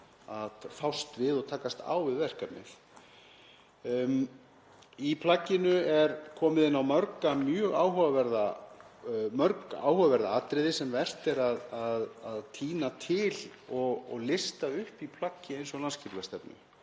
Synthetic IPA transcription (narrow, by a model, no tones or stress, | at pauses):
aðfawst̪vɪðɔɣt̪ʰaːkast̪a̰wvɪðvɛr̥kat̪nɪ̰l̥ | ipʰlacːɪnʏɛɾkʰɔːmɪðɪnːawmœɾkamjœːɣaːwɦuvavɛɾða | mœɾka̰a̰ːwhuvavɛɾða̰at̪ɾɪðɪsɛmvɛr̥t̪ɛɾaðaðaðt̪ʰiːnat̪ʰɪlɔɣ̰ɣlɪst̪aʏhpipʰlacːɪejnsɔɣlanscɪɾvɛst̪ɛpnʏ̰